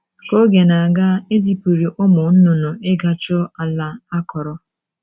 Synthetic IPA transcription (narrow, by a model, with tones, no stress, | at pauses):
ko˦ɡe˨na˨a˨ɡa˦e˦zi˦pu˨ɾi˨ʔo˦mʊ˨n̩˦nʊ˨nʊ˨ɪ˦ɡa˨t͡ʃʊ˦a˨la˦a˦kɔ˨ɾɔ˨